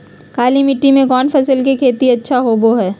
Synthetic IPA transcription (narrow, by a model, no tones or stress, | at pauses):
kaːlimɪʈːimẽkɔːnfʰɐsəlkekʰeːt̪iɐtːʃʰaɦoːboɦɛː